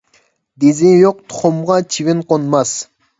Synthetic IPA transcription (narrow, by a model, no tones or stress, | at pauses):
d̪ezɪjoq̚t̪ʰʊ̥χʊmʁɑt͡ʃʰivɪnqonmɑs